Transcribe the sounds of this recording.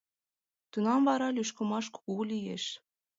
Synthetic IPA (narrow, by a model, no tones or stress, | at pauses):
t̪unɑmvɑɾɑlyʃkə̆mɑʃku̥ɣulijeʃ